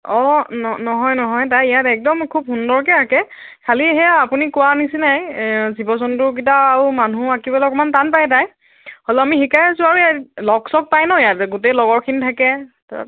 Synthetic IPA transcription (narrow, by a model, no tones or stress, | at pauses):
ɔnɔnɔɦɔjnɔɦɔjtajijatɛk̚dɔmkʰub̚hundɔɹkɛakɛ | kʰaliɦɛapunikʊwanisinajzibɔs̬ɔntʊk̬itaːɹumanuakibɛlɔkɔmantanpajtaj | hɔlɛamixikajasʊaɹujatlɔksɔk̚pajnɔjatɡutejlɔɡɔɹkʰinitʰakɛ | ta̰